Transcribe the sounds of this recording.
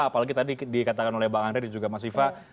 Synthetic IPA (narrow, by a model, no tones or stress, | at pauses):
palaɡit̪adidikat̪akanolɛhbakanɾedd͡ʒuɡamas̬fifa